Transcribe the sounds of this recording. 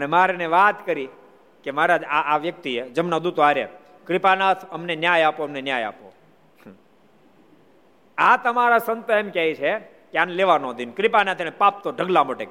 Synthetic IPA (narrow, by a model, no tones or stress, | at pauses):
ənemaɾeneʋat̪kəɾi | kemaɾaaaʋjək̚t̪ied͡ʒəmnad̪ut̪oaɾe | kɾipanat̪ʰəmnenjajapoəmnenjaja̰po̰ | at̪əmaɾasənt̪əemkjajt͡ʃʰe | keaneleʋanod̪inkɾipanat̪ʰeñepap̚t̪oɖʱəɡlamoʈe